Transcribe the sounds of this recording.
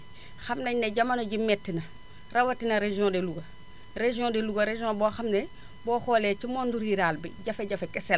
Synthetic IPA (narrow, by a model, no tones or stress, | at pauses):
xɐmnɐɲneɟɐmanoɟimetːinɐ | rɐwɐtinɐɾeʒiõdeluɡɐ | reʒiõdeluɡɐɾeʒiõbɔːxɐmne | bɔːxoːlet͡ʃimonduɾiɾaːlbiɟafeɟafekɛsel